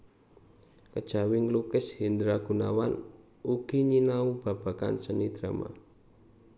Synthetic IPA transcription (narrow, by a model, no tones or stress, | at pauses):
kəd̥ʒ̥a̤wɪŋlukɪshind̪ɾaɡ̥ṳna̰wan | uɡ̥i̤ɲinaub̥a̤b̥a̤ka̰nsənid̪̥ɾama̰